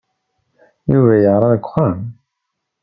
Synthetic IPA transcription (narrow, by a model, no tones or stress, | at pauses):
juvæjəʁɾˤɑðəkʷːχam